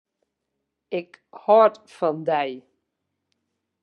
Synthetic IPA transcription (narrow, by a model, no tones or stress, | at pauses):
ɪkhɔɹtfɑndɛj